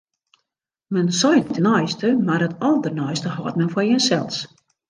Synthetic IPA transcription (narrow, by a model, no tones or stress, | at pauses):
mɛnsɔjtənɔjstəmarətɔlˠdərnɔjstəɦɔtmɛnfɔjɛnsɛ̰lˠs